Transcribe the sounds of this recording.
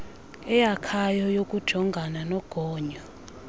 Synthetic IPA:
ɛjakʰajɔjokʼud̥ʒ̥ʱɔŋɡʱananɔɡ̥ʱɔːɲɔ

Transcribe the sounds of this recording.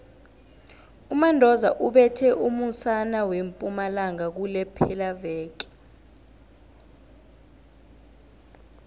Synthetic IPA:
umandʱɔzaʔuɓɛtʰɛʔumusanawempʼumalaŋak̬ulɛpʰɛlavɛːk̬i̥

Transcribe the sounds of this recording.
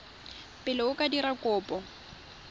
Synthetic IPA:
pʼɪlɪʊkʼadiɾakʼʊːpʼɔ

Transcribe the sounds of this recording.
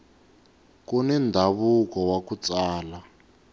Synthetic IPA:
kunɛndʱaβukɔwakut͡saːla

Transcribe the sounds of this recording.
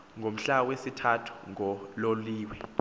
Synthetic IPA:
ŋʱom̩ɬawesitʰatʰu̥ŋʱɔloliːwɛ

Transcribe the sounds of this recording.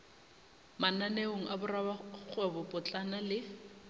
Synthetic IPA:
mananeoŋ̩ʔabʊrabak͡xʰwebɔpʼʊt͡ɬʼanalɪ

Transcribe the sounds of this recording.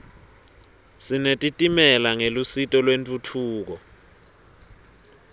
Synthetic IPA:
sinetʼitʼimɛlaŋelusitʼɔlwentʼutʰuːk̬ɔ

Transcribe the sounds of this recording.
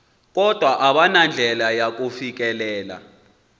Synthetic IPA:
k̬ʼɔd̥ʱwaʔaɓanand͡ɮʱɛlajak̬ʼufik̬ʼɛlɛːla̰

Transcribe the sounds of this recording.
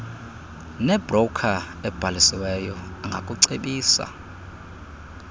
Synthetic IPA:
nɛb̥rɔkʰa | ɛb̥ʱalisiwɛjɔaŋɡʱakʼuǀeɓiːsa̰

